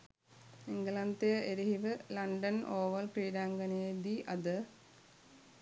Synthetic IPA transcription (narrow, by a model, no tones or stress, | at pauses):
iŋɡɐlɐnt̪ɐjɐʔeɾiɦiʋɨlɐɳɖɐnʔoːʋɐlkɾiːɖaːŋɡɐneed̪iʔɐd̪ɨ